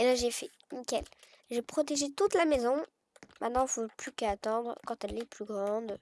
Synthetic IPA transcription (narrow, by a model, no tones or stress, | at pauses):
elãʒefɛ | mikʲɛl | ʒepχɔt̪eʒet̪ut̪lamezɔ̃ | mɛ̃t̪nɑ̃foplykat̪ɑ̃d̪ʁkɑ̃t̪ɛlɛplyɡʁɑ̃d̪